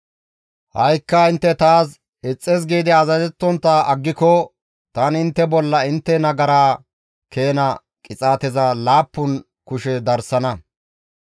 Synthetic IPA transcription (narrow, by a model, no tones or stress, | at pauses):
hɐjkːɐɪnt̪ːɛt̪aːs | ɪt͡sʼːez̬ɡiːd̪ɪɐzɐzɛt̪ːɔnt̪ːɐʔɐɡːɪkɔ | t̪ɐnɪnt̪ːɛbɔlːɐɪnt̪ːɛnɐɡɐɾaː | ke̞ːnɐ | kʼɪt͡sʼaːt̪ɛzɐlaːpːʊn | kʊʃɛd̪ɐɾsɐnɐ